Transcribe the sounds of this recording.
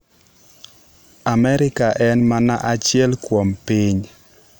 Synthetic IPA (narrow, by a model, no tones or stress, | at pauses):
amɛɾɪkaʔɛnmanaʔat͡ʃjɛlkwompiɲ